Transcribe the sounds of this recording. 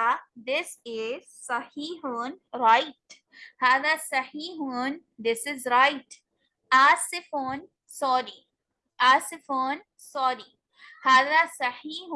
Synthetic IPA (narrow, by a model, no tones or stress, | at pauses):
d̪ɪsɪz̥sɐhiːɦunɾaɪʈ̚ | haːðasɐhiːɦund̪ɪsɪzɾaɪʈ | aːsɪfɔn | sɔːɾi | ʔaːsɪfɔn | sɔːɾi | haːðasɐhiːh